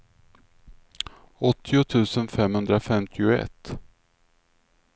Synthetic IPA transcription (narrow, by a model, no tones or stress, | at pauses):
ɔt̪ʰːɪʊt̪ʰʉ̟ːsənfɛmhɵnd̪ɾafɛmt̪ʰɪʊɛ̰t̪ː